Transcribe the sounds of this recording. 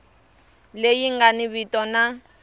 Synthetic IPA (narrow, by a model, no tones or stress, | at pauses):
lejiŋɡaniβitʼɔna